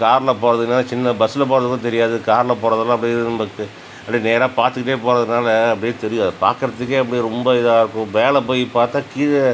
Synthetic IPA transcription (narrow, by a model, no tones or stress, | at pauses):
kaːɾlɐpoːɾɐðɯɯnaːlɐt͡ʃɪnːɐbɐsɯlɐpoːɾɐðɯkːʊ̃t̪ɛɾɪjaːðɯkaːɾlɐpoːɾɐðɐlãːɐpːɐɽɪɯnɐmbɐkːɯ | ɐpːɐɽineːɾãːpaːɾt̪ɯkːɪʈːeːpoːɾɐðɯnaːlɐɐpːɐɽɪjːt̪ɛɾɪjʊ̃ɐðɐpa̰ːɾkɪɾɐt̪ːɯkːeɐp̬ːɐɽiɾɔmbɐɪðaːɪɾɯkːʊ̃ʋeːlɐp̬oːjipaːɾt̪ãːkiːɾɐ